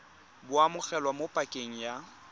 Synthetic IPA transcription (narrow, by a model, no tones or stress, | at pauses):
bʊamʊk͡xɛlwamopʼakʼeŋ̩ja